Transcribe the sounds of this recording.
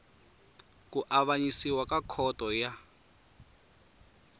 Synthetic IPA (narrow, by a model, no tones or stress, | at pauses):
kuʔaβaɲisiwakakʰɔtɔja